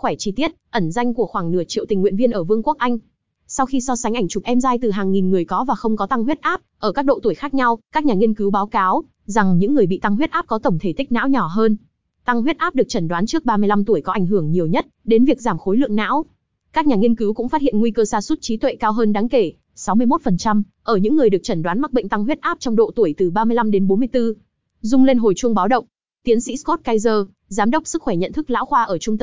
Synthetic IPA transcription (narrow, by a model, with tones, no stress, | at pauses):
xwɛː˧˩t͡ɕi˧t̪i˦˥ət̚ʔə˧˩nza˧jŋku˧˩əxwaː˧˩ŋnɨ˧˩ət͡ɕḭ˧˨wt̪ï˨˩ŋ̟wḭ˧˨ənvi˧ənʔəː˧˩vɨ˧əŋku˦˥ək̚ʔa˧jŋ̟ | sa˧wxi˧sɔ˧sa˨˦ŋʔa˧˩ŋ̟t͡ɕʊ˨˩p̚ʔɛ˧mzaː˧jt̪ɨ˨˩ɦaː˨˩ŋŋi˨˩nŋɨ˨˩əjkɔ˨˦vaː˨˩xə˧wŋ͡mkɔ˨˦t̪a˧ŋɦwi˦˥t̚ʔaː˦˥p̚ʔəː˧˩kaː˦˥k̚ɗo̰˧˨t̪u˧˩əjxaː˦˥k̚ɲa˧wkaː˦˥k̚ɲaː˨˩ŋi˧ənkɨ˨˦wɓaː˨˦wkaː˨˦w | za˨˩ŋɲɨ̰˧˥ŋːɨ˨˩əjɓḭ˧˨t̪a˧ŋɦwi˦˥t̚ʔaː˦˥p̚kɔ˨˦t̪ə˧˩wŋ͡mt̪ʰe˧˩t̪ï˦˥k̚na̰ː˧˥wɲɔ˧˩ɦəː˧n | t̪a˧ŋɦwi˦˥t̚ʔaː˦˥p̚ɗɨ˨˩ək̚t͡ɕə˧˩nɗwaː˨˦nt͡ɕɨ˦˥ək̚ɓaː˧mɨ˧jla˧mt̪u˧˩əjkɔ˨˦ʔa˧˩ŋ̟ɦɨ˧˩əŋɲi˨˩əwɲə˦˥t̚ɗe˨˦nvi˨˩ək̚zaː˧˩mxo˨˦jlɨ̰˧˨əŋna̰ː˧˥w | kaː˦˥k̚ɲaː˨˩ŋi˧ənkɨ˨˦wkʊ̰˧˥ŋ͡mfaː˦˥hḭ˧˨ə˨nŋwi˧kəː˧saː˧su˦˥t̚t͡ɕi˨˦t̪wḛ˧˨kaː˧wɦəː˧nɗaː˨˦ŋke˧˩ | sa˨˦wmɨ˧əjmo˦˥t̚fə˨˩nt͡ɕa˧m | ʔəː˧˩ɲɨ̰˧˥ŋːɨ˨˩əjɗɨ˨˩ək̚t͡ɕə˧˩nɗwaː˨˦nma˨˩t̚ɓə̰˧˨ŋ̟t̪a˧ŋɦwi˦˥t̚ʔaː˦˥p̚t͡ɕɔ˧wŋ͡mɗo̰˧˨t̪u˧˩əjt̪ɨ˨˩ɓaː˧mɨ˧əjla˧mɗe˨˦nɓo˨˦mɨ˧əjt̪ɨ˧ | zʊ˧ŋ͡mle˧nɦo˨˩jt͡ɕu˧əŋɓaː˨˦wɗə̰˧˨wŋ͡m | t̪i˨˦ənsḭ˧˥sko˦˥t̚kaː˧jzəː˧ | zaː˨˦mɗə˦˥wk͡p̚sɨ˦˥k̚xwɛ˧˩ɲə̰˧˨nt̪ʰɨ˦˥k̚la̰ː˧˥wxwaː˧ʔəː˧˩t͡ɕʊ˧ŋ͡mt̪